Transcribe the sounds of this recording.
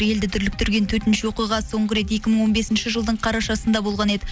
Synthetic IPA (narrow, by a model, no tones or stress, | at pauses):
je̞ld̪ɪt̪ʰʏɾlɪk̚t̪ʰʏɾɡʲe̞nt̪ʰɵɾt̪ɪnʃɪwo̞qijʁɑso̞ɴʁəɾe̞t̪̬je̞kʲɪməɴŋwo̞nbe̞sɪnʃɪʒəlˠd̪əɴqʰɑɾɑʃɑsənd̪ɑbo̞lˠʁɑne̞d̪ɪ